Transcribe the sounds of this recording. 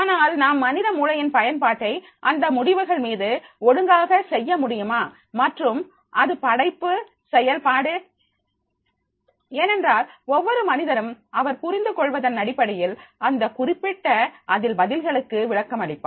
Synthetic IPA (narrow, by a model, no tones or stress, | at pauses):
aːnaːlnaːmːɐnɪðɐmuːlɐjɪnpɐjɐnpaːʈːɐɪ | ʔɐnd̪ɐmʊɽɪʋɯɣɐɭmiːðɯɔɽɯŋɡaːɣɐsɛjːɐmʊɽɪjɯmaː | mɐʈrɯm | ʔɐðɯpɐɽɐɪpːɯ | sɛjɐlpaːɽɯ | eːnɛndraːlɔʋːɔɾɯmɐnɪðɐɾɯmɐʋɐɾpʊɾɪnd̪ɯkɔɭʋɐðɐnːɐɽɪpːɐɽɐjɪlɐnd̪ɐkʊrɪpːɪʈːɐʔɐðɪlbɐðɪlɣɐɭɯkːɯʋɪɭɐkːɐmɐɽɪpːa̰ː